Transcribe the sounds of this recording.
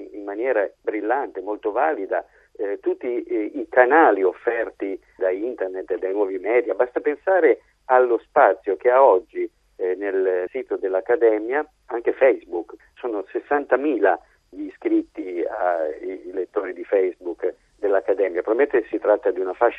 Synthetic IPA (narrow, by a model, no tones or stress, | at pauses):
immːanjɛːɾabɾilːant̪emolt̪ovaːlid̪a | t̪ut̪ːiːkanaːliofːɛrt̪i | d̪aint̪ernet̪ːed̪ajnwɔːvimɛːd̪jabast̪apensaːɾe | alːospat̪sːjok̟eaɔd͡ʒːi | nelsiːt̪od̪elːakːad̪ɛmja | aŋk̟efɛjzbuk | soːnosesːant̪amiːla | ʎiskɾit̪ːiailet̪ːoːɾid̪ifɛjzbukː | d̪elːakːad̪ɛmjapɾoviment̪esit̪ɾat̪ːad̪iunafaʃ